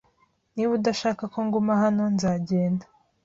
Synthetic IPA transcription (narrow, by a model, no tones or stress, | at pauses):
niβudaʃaːkako̞ŋɡomahano̞nzaːɟe̞ːndḁ